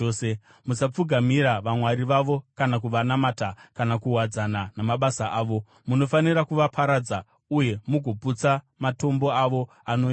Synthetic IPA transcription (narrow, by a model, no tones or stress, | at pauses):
se | musap͡fuɡʱamiɾaʋamwaɾiʋaʋo̞kanak̬uʋanamatakanakuɦwad͡zananamaɓasaʔaːʋo̞ | muno̞faniɾakuʋapʰaɾad͡za | uje̞muɡʱo̞put͡sa | mato̞mbo̞aʋo̞ | ano